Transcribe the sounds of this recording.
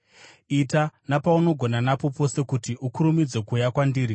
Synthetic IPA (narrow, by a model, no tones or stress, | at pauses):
itanapauno̞ɡʱo̞nanapo̞po̞se̞kutiʔukuɾumid͡zwe̞kujakwandiːɾi